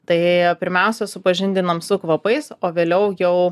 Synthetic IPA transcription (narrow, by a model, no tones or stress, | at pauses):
t̪ɐɪpʲɪɾʲmʲɛˑʊsʲɛsʊpɐʒʲɪnʲd̪ʲɪnɐmsʊkʋɐpɐɪsoːʋʲeːlʲɛʊjɛʊ